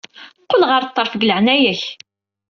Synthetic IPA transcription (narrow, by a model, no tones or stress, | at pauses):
qːolʁəɾˤt̪ˤːəɾˤfɡləʕnæjæç